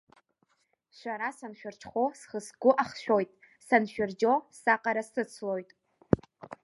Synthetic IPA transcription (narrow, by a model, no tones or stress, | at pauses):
ʃʷaɾasanʃᶣart͡ʃʰχʷosχəsɡʷʊʔaχʃᶣo̞jtʼ | sanʃᶣard͡ʒo̞saqʼaɾasɨt͡sʰlo̞jtʼ